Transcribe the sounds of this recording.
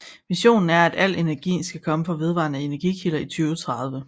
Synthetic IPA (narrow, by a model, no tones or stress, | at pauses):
ʋiɕo̝̰ːnn̩æɐæd̥æl̰e̝næɐɡ̥ḭːn̩sɡ̥ækʰɒ̽məfɒʋe̝ð̞ˠʋɑ̰̈ːnəe̝næɐɡ̥ikʰilɐit͡sʰyːʊət͡sʰʁɑ̈ð̞ˠʋə